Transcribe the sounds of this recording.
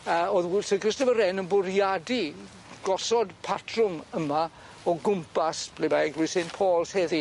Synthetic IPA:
əoðwsəɡrɪstəvəɾɛnənbʊrjadi | ɡ̥ɔsɔdpʰatʰrʊməma | ɔɡʊmpʰasb̥lebaɡlʊɨsɪntpʰoːlˠshɛði

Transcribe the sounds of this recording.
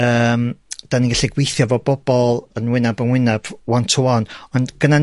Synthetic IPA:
əːmd̥aniɡaɬiɡwejθjɔvɔbɔb̥ɔlˠənwɪnabənwɪnab̥wɔntʰuɔnɔndɡ̥ənan

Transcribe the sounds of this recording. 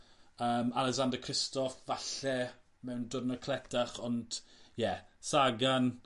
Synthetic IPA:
əːmalˠɛkzandəkʰrɪstɔfvaɬɛ | mɛwndənəkʰlɛtʰaχɔnd̥jɛsaɡan

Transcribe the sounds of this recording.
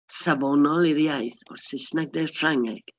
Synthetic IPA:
sabɔnɔlˠiɾjajθɔ̰rsɪsnaɡ̚dejrfraŋɛɡ̥

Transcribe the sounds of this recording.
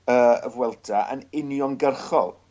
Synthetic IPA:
əːə̰vwɛlˠdʰaʔə̰nɪnjɔnɡərχɔ̰lˠ

